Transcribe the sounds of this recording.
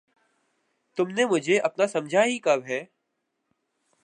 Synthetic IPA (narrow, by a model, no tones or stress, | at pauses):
t̪ʊmnemʊd͡ʒʱeʔɐpnasɐ̃md͡ʒʱaɦikɐbɦɛː